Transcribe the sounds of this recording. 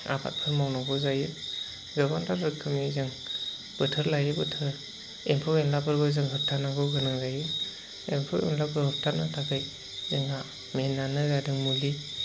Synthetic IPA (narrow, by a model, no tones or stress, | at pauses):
a̰bʰa̰t̚pʰɯɾmawnaɡɔzajɯ | ɡabantʰaɾɯkʰɯmizɯŋ | b̥ɯtʰɯɾlajɯbɯtʰɯɾ | empʰɯweŋlabʰɯɾɡɔzɯŋɦɯp̚tʰanaɡɔɡɯnɯŋzajɯ | empʰɯwḛŋlabɯɦɯp̚tʰanatʰakʰaj | zɯŋa | menːanɯzadɯŋmuli